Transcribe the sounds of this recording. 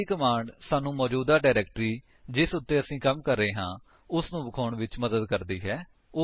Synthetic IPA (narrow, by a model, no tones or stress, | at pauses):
ikəmaːɳɖsaːnũːmɔːd͡ʒuːd̪aːɖaːɾɛːk̚ʈɾiː | d͡ʒɪsʊt̪ːeːəsĩːkəmkəɾːeːɦãː | ʊsnũːbəkʰoːɳʋɪt͡ʃməd̪əd̪kəɾd̪iːɦɛː